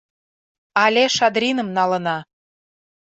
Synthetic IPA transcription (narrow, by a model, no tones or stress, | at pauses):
ɑlʲeʃɑd̪ɾʲinə̆mnɑlə̆nɑ